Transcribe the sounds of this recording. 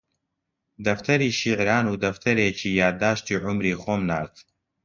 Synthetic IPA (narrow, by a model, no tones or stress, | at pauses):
d̪ɐft̪ʰɐɾiːʃiʕɾaːnuːd̪ɐft̪ʰɐɾeːcʰiːjaːd̪aːʃt̪iːʕʊmɾiːxoːmnaːɾt̪